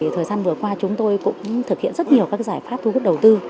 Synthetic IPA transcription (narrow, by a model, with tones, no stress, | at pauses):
i˨˩t̪ʰəː˨˩jzaː˧nvɨ˨˩əkwaː˧t͡ɕʊ˨˦ŋ͡mt̪o˧jkʊ̰˧˥ŋ͡mt̪ʰɨ˨˩k̚hḭ˧˨ənzə˦˥t̚ɲi˨˩əwkaː˦˥k̚zaː˧˩jfaː˦˥p̚t̪ʰu˧ku˦˥ɗə˨˩wt̪ɨ˧